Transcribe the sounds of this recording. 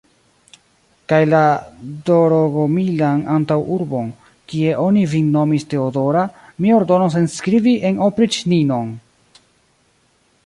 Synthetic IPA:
kajladoɾoɡomilanantawuɾbo̞n | kie̞ʔo̞nivinːo̞miste̞odo̞ɾamio̞ɾdo̞nosenskɾiviʔe̞nopɾit͡ʃnino̞n

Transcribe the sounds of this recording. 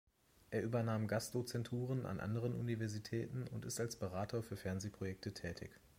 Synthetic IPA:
ʔeːɐʔyːbɐnaːmɡasd̥ot͡sɛntʰuːʁ̞ənʔa̰nʔa̰ndəʁ̞ənṵnivɛɐzitʰɛːtn̩ʊntɪstalsb̥əʁ̞aːtʰoːɐfyːɐfɛɐnzeːpʁ̥ojɛk̚tətʰɛːtʰɪ̰ç

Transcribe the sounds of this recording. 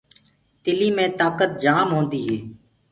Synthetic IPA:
t̪ɪliːmẽːt̪aːkət̪̚d͡ʒaːmɦoːnd̪iːɦeː

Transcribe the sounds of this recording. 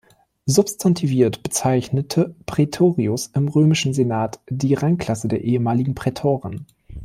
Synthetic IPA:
zʊpstʰantʰiviːɐtb̥ət͡saɪçnətʰəpʁ̥etʰoːʁiʊsʔɪmʁøːmɪʃn̩zenaːtd̥iːʁaŋkl̥asədeːɐʔeːəmaːlɪɡŋ̩pʁ̥ɛtʰoːʁən

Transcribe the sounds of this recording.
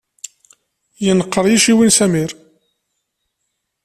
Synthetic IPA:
jənəqːəɾˤjiʃiwinsæmiɾ

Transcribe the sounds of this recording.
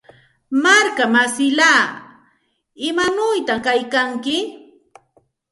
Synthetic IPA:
maɾkamasɪlaː | ɪmanʊjt̪akajkaŋkɪ

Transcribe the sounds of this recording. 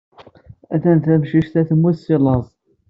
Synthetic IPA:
æθænt̪æmʃiʃt̪æθmwæsilɑzˤ

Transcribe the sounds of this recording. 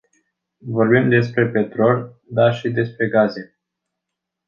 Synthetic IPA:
vo̞rbimd̪e̞spɾe̞pe̞t̪ɾo̞l | d̪arʃid̪e̞spɾe̞ɡaze̞

